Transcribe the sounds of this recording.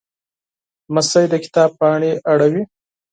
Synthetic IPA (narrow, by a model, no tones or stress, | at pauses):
masəjd̪əkɪ̥t̪ɑb̚pɑɳeʔaɽawi